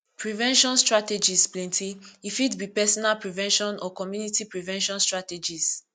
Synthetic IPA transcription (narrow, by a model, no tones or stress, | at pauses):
pɹivɛ̃nʃɔ̃nstɹated͡ʒisplɛ̃ntʰiifitbipɛsɔnalpɹivɛ̃nʃɔ̃nɔkɔmjunitipɹivɛ̃nʃɔ̃nstɹated͡ʒis